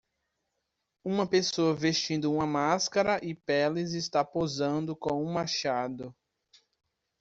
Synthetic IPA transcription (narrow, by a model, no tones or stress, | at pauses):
ũmɐpesoɐvest͡ʃĩnd̪ʊũmɐmaskɐɾɐʔɪpɛlɪzɪst̪apozɐ̃nd̪ʊkõũmaʃad̪ʊ